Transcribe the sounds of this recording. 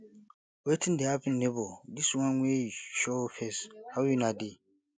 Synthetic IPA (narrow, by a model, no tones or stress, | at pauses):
wetʰĩndɛapĩn̩nebɔdiswãnwʷeʃɔfɛshawjinadi